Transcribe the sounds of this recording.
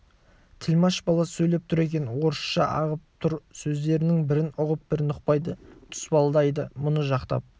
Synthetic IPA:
t̪ʰɪlmɑʃbɑlˠɑsɵjle̞p̚t̪ʰʊɾe̞kʲe̞nwo̞ɾəʃʃɑʔɑ̰ʁəp̚t̪ʰʊɾsɵzd̪e̞ɾɪnɪŋbɪɾɪnʊʁəp̚bɪɾnʊqpɑjd̪ət̪ʰʏ̥spɑlˠd̪ɑjd̪əmʊnəʒɑqt̪ɑ̰p̚

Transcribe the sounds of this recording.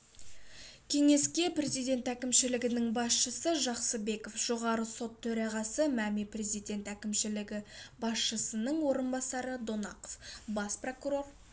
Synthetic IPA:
kʲʰe̞ŋe̞skʲe̞pre̞zijd̪ʲe̞nt̪ækʲɪmʃɪlɪɡʲɪnɪŋbɑsʃəsəʒɑqsəbe̞ko̞fʒ̥o̞ʁɑɾəso̞t̪ʰːɵɾɑʁɑsəmæmepre̞zijd̪e̞nt̪ækʲɪmʃɪlɪɡʲɪbɑsʃəsənəɴwo̞ɾənbɑsɑɾəd̪onɑqo̥fbɑspro̞kuɾo̞r

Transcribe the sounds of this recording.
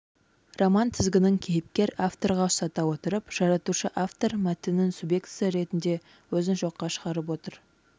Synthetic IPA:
romɑnt̪ʰɪzɡʲɪnɪŋkʲʰejɪp̚kʲe̞ɾaft̪o̞ɾʁɑʊsɑt̪ɑwot̪əɾəpʒ̥ɑɾɑt̪uʃəʔaft̪o̞ɾmæt̪ɪnɪnsubjekt̪sijaɾe̞t̪ɪnd̪e̞ | wɵzɪnʒo̞qːɑʃə̥ʁɑɾəp̬wo̞t̪əɾ

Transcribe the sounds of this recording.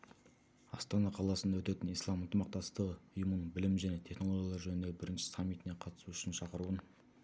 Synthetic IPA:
ɑst̪ɑnɑqʰɑlˠɑsənd̪ɑwɵt̪e̞t̪ɪnijslˠɑmənt̪əmɑq̚t̪ɑst̪əʁəʊjuməɴbɪlɪmʒæne̞t̪ʰe̞χno̞lˠo̞ɡʲjɑlˠɑɾʒɵnɪnd̪e̞bɪɾɪnʃɪ̥samːijt̪ɪne̞qʰɑt̪ə̥suʏʃɪnʃɑqəɾuən

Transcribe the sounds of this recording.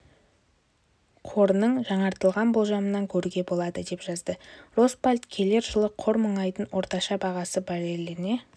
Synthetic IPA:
qʰo̞ɾnəɴʒɑɴɑɾt̪əlˠʁɑnbolˠʒɑmənɑŋkʲʰɵɾuɡʲe̞bo̞lˠɑd̪əd̪e̞pʒ̥ɑzd̪əro̞spalʲt̪kʲʰe̞le̞ɾʒəlˠəqʰːo̞ɾməɴɑjd̪ənwʔo̞ɾt̪ɑʃɑbɑʁɑsəbæɾeleɾɪne̞

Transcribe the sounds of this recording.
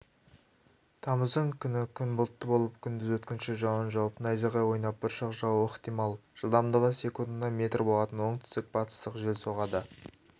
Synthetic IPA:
t̪ʰɑməzd̪əɴkʲʰʏnɪkʲʰʏnbolˠət̪ːəbo̞lˠəp̚kʲʰʏnd̪ɪzwɵt̪kʲɪnʃɪʒɑwənʒɑwpənɑjzɑʁɑjwo̞jnɑp̚bɪɾʃɑqʒɑwəχt̪ijmɑlˠʒ̥əlˠd̪ɑmd̪əʁəse̞kund̪ɑme̞t̪rbo̞lˠɑt̪ənwo̞ɴt̪ʰʏ̥st̪ɪk̚bʰɑt̪ə̥st̪əqʒelso̞ʁɑd̪ə

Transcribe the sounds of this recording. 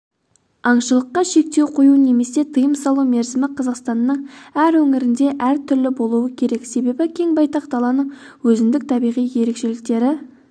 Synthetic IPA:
ɑɴʃəlˠəqːɑʃe̞k̚t̪e̞wqʰo̞june̞me̞se̞t̪ʰəjəmsɑlˠuwme̞ɾzɪmɪqʰɑzɑqst̪ɑnːəɴæɾwɵŋɪɾɪnd̪e̞ʔæɾt̪ʰʏɾlɪbo̞lˠuəkʲʰe̞ɾe̞kse̞be̞bɪkʲʰe̞ŋbɑjt̪ɑqd̪ɑlˠɑnəɴ | wɵzɪnd̪ɪk̚t̪ʰɑbijʁijje̞ɾe̞kʃe̞lɪk̚t̪e̞ɾɪ

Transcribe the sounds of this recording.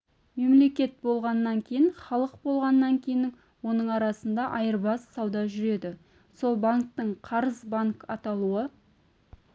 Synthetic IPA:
me̞mle̞kʲe̞t̪̚bo̞lˠʁɑnːɑŋkʲʰejɪnχɑlˠəq̚bo̞lˠʁɑnːɑŋkʲʰe̞jɪnɪ | wo̞nəɴɑɾɑsənd̪ɑʔɑjəɾbɑsːɑwd̪ɑʒʏɾe̞d̪ɪ | so̞lˠbaŋk̚t̪əɴqʰɑɾəzbaŋkɑt̪ɑlˠuə

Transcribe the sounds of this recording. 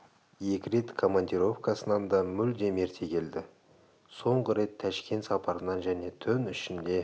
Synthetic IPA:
je̞kʲɪɾe̞t̪kʰo̞manʲd̪ʲiɾo̞fkɑsənɑnd̪ɑmʏld̪e̞me̞ɾt̪ʰe̞kʲʰe̞ld̪ɪ | so̞ɴʁəɾe̞t̪ʰːæʃkʲe̞nt̪sɑpʰɑɾənɑnʒæne̞t̪ʰʏnʏʃɪnd̪e̞

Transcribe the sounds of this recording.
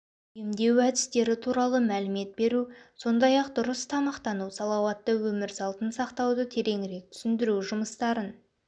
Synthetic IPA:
ɪmd̪e̞wæd̪ɪst̪e̞ɾɪt̪ʰuɾɑlˠəmælɪme̞t̪̚be̞ɾuso̞nd̪ɑjɑq̚d̪ʊɾəst̪ʰɑmɑqt̪ɑnusɑlˠɑwɑt̪ːəwɵmɪɾsɑlˠt̪ənsɑqt̪ɑwd̪ət̪ʰe̞ɾʔe̞ŋɪɾe̞k̚t̪ʰʏ̥sɪnd̪ɪɾuʒʊməst̪ɑɾən

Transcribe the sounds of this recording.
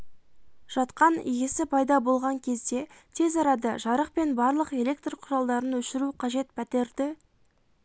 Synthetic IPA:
ʒ̥ɑt̪qɑnḭjʲɪsɪpʰɑjd̪ɑbo̞lˠʁɑŋkʲʰe̞zd̪e̞t̪ʰe̞zɑɾɑd̪ɑʒɑɾəq̚pe̞nbɑɾlˠəqe̞lʲe̞kt̪rqʰʊɾɑlˠd̪ɑɾənwɵʃɪɾuqʰɑʒe̞t̪pʰæt̪e̞ɾd̪ɪ

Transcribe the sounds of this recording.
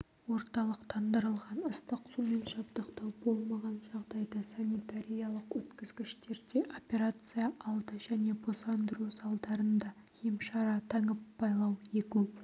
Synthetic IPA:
wo̞ɾt̪ɑlˠəqt̪ʰɑnd̪əɾəlˠʁɑnəst̪əqsume̞nʒɑpd̪əqt̪ɑwbo̞lˠmɑʁɑnʒɑʁd̪ɑjd̪ɑsanʲit̪aɾʲijɑlˠəqwɵt̪kʲɪzɡʲɪʃt̪e̞ɾd̪e̞ʔopʲe̞ɾat̪sɨjɑʔɑlˠd̪əʒæne̞bo̞sɑnd̪əɾusɑlˠd̪ɑɾənd̪ɑ | emʃɑɾɑt̪ʰɑɴəpːɑjlˠɑwe̞kʲu

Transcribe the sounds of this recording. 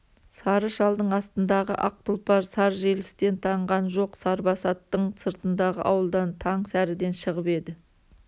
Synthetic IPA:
sɑɾəʃɑlˠd̪əɴɑst̪ənd̪ɑʁə̰ʔɑq̚t̪əlˠpɑɾsɑɾʒelɪst̪e̞nt̪ʰɑɴʁɑnʒo̞qsɑɾbɑsɑt̪ːəɴsəɾt̪ənd̪ɑʁə̰ʔɑwəlˠd̪ɑnt̪ʰɑɴsæɾɪd̪e̞nʃəʁəpe̞d̪ɪ

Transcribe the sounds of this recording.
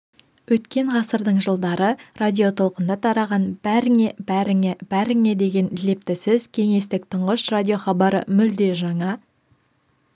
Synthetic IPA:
wɵt̪kʲe̞ɴʁɑsəɾd̪əɴʒəlˠd̪ɑɾərad̪ʲijo̞t̪ʰo̞lˠqənd̪ɑt̪ʰɑɾɑʁɑnbæɾɪŋebæɾɪŋeb̥æɾɪŋe̞d̪e̞ɡʲe̞nle̞p̚t̪ɪsɪzkʲʰe̞ŋe̞st̪ɪk̚t̪ʰʊɴʁəʃradʲijo̞χɑbɑɾə̰mʏld̪e̞ʒɑɴɑ

